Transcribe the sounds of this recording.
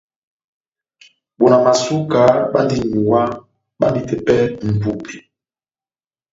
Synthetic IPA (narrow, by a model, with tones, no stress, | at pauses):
ɓo˨na˨ma˨su˦ka˨˦ɓa̰˦ndi˦ɲu˨wa˦ | ɓa˦ndi˨tɛ˨pɛ˦m̩˨bu˦pi˨